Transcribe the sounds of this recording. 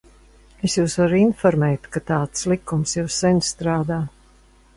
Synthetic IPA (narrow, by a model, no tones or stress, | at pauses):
esjuːsvaɾinfɔɾmɛːt̪kat̪aːt̪slikːumsjuwsːɛnʲst̪ɾaːd̪aː